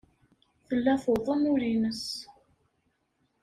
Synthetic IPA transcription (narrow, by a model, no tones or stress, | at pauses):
θəlːæθoðˤənʊɾinəs